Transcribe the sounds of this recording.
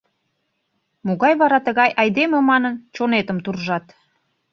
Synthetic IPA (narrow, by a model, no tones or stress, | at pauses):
moɣɑjβɑɾɑt̪əɣɑjʔɑjd̪eməmɑnənt͡ɕonet̪əmt̪urʒɑt̪